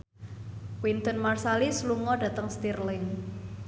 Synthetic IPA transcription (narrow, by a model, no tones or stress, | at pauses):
kwint̪ɔnmarsalisluŋɔɖ̥ä̤t̪əŋst̪irlɪŋ